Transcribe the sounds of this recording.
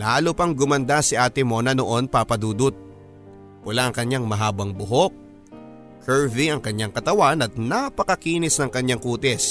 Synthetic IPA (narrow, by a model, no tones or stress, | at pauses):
laːlʊpɐŋɡʊmɐnd̪asɪʔaːt̪ɪmo̞nɐnoʔo̞npapɐd̪uːd̪ʊt̪̚ | pʊlaʔɐŋkɐɲaŋmɐɦaːbɐŋbʊɦo̞k̚ | kʰɛɹviɐŋkɐɲːaŋkɐt̪ɐwanɐt̪̚napɐkɐkiːnɪsnɐŋkɐɲːaŋkuːt̪ɛs